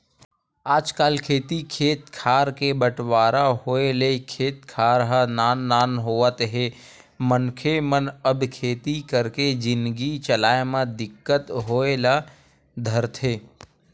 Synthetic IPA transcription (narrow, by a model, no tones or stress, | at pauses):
aːd͡ʒkaːlkʰeːt̪ikʰeːt̪kʰaːɾkebəʈwaːɾaɦoːelekʰeːt̪̚kʰaːɾɦənaːnːaːnɦoːʋət̪ɦe | mənkʰemənəbkʰeːt̪ikəɾked͡ʒɪnd̪ɡit͡ʃəlaːemãd̪ɪkːət̪ɦoːela | d̪ʱəɾt̪ʰɦeː